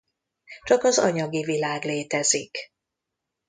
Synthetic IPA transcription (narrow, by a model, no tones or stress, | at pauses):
t͡ʃɒkɒzɒɲɒɡivilaːɡleːt̪ɛzik